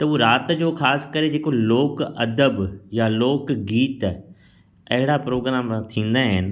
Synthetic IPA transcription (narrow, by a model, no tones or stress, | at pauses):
t̪ɐuːɾaːt̪d͡ʑoːxʰaːskəɾed͡ʑeːkoloːkɐd̪əbjaloːkɡiːt̪ | ɐɦɪɽapɾoːɡɾaːm̃t̪ʰĩːn̆d̪aɦɪnɪ̆